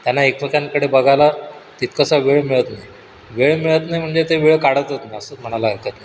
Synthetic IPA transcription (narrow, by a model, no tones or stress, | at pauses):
t̪janaekpəkaŋkəɽebəɡʱalat̪it̪̚kəsaʋeɭmiɭət̪naj | ʋeɭmiɭət̪najm̤əɳd͡zet̪eʋiɭəkaɽət̪ət̪niəsəm̤əɽ̃alaɦəkət̪najj